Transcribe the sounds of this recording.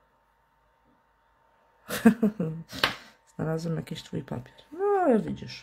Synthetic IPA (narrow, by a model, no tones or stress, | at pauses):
z̥nalazwɛmjakʲiɕt̪fujpa̰pʲjɛɾnɔjavʲid͡ʑiʂ